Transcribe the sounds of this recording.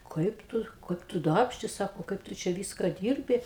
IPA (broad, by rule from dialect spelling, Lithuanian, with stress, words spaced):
ˈkɐɪp ˈtʊ ˈkɐɪp tʊ ˈdɐrʲpʲʃʲtʲɪ ˈsɑːkoː ˈkɐɪp tʊ t͡ʃʲɛ ˈʋʲiːskɐ ˈdʲiːrʲbʲɪ